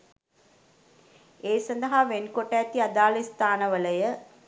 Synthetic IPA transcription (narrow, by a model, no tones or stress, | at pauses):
eːsɐnd̪əɦaʋenkoʈəːt̪iad̪aːlist̪aːnəʋələjə